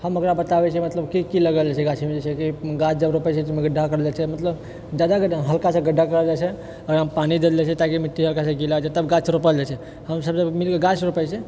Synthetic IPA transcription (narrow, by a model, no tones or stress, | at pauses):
həməkɾabət̪abɛt͡ʃʰimət̪ləbkikiləɡəld͡ʒat͡ʃʰɛɡat͡ʃʰimed͡ʒet͡ʃʰɛkiɡat͡ʃd͡ʒəbɾopət͡ʃʰɛt̪meɡəɖːakəɾəd͡ʒat͡ʃʰɛmət̪ləb | d͡ʒad̪akɦəlkasẽɡəɖʱːakəɾəld͡ʒat͡ʃʰɛ | əɡɾaɦəmpanid̪ed̪d͡ʒet͡ʃʰɛt̪akimiʈʰːiɦəlkasə̃ɡilad͡ʒət̪əbɡat͡ʃʰɾopəld͡ʒat͡ʃʰɛ | həmsəbsəmilkeɡat͡ʃɾupəjt͡ʃʰɛ